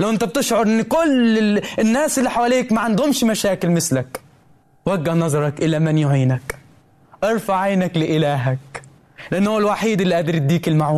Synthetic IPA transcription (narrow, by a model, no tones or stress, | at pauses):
lawʔɪnt̪æb̚t̪ɪʃʕʊɾˤʔɪnːkʊlːɪɪnːaːsɪlːiħawaleːkmaʕand̪hʊmʃmaʃaːkɪlmɪslak | waɡːahnɑzˤɑɾˤɑkʔɪlamanjʊʕiːnak | ʔɑɾˤfaʕajnaklɪʔɪlaːɦak | lɪʔanːhʊːalwaħiːd̪ɪlːiʔad̪ɾɪt̪d̪iːkɪlmaʕuː